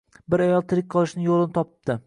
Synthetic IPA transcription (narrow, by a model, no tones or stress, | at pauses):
bɪɾajɒlˠt̪ʰɪɾɪk̚ʲqʰɑlˠɪʃnɪŋjolˠɪnɪt̪ʰɒpɪpd̪̥ɪ